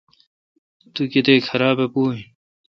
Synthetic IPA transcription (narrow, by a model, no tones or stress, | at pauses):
t̪uket̪eːkʰɐɾaːbepuːɦĩ